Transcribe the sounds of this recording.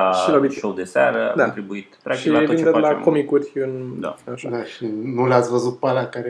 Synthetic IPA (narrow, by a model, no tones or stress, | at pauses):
aʃilabiʃowd̪esaɾəa̰kd̪aõnt̪ɾibuit̪p̪ɾaʃd͡ʒioind̪et̪lakomikutʲɨnd̪a̰finaʃad̪aʃinulat̪svəzut̪̚palakaɾ